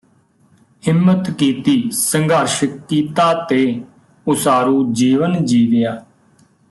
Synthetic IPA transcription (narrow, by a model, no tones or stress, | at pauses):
ɦɪmːət̪kiːt̪iːsəŋɡʱaːɾʃəkːiːt̪aːt̪eː | ʊsaːɾuːd͡ʒiːʋənd͡ʒiːʋɪjaː